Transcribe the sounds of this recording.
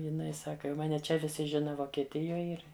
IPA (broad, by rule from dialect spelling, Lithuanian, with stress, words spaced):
jɪˈnɐɪ ˈsɑːkɐ jɛʊ ˈmɑːnʲɛ ˈt͡ʃʲɛ ʋʲɪˈsʲɪ ˈʒʲɪnɐ ʋoːkʲɛˈtʲɪjoːj ˈɪr